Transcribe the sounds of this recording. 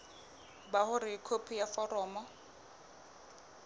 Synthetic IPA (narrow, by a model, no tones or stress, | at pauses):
baχʊɾɪkʰopʰijafɔrɔːmɔ